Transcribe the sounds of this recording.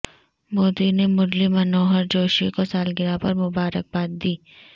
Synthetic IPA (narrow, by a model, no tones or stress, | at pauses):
moːd̪inemʊɾlimɐnoːɦəɾd͡ʒoːʃikosaːlɡɪɾapɐɾmʊbaːɾək̚baːt̪̚d̪iː